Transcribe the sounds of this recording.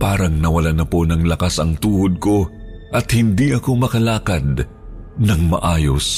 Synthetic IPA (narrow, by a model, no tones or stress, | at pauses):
paːɾɐŋnɐwɐlanɐpo̞nɐŋlɐkasɐŋt̪uːhod̪̚ko̞ | ʔɐt̪̚hɪnd̪iʔɐko̞mɐkɐlaːkɐd̪̚ | nɐŋmɐ̰ʔaːjo̞s